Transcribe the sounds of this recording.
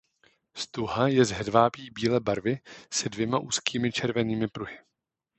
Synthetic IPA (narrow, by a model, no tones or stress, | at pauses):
st̪uɦajɛzɦɛdvaːpiːbiːlɛːbaɾvɪsɛdvjɛmaʔuːskiːmɪt͡ʃɛɾvɛniːmɪpɾuɦɪ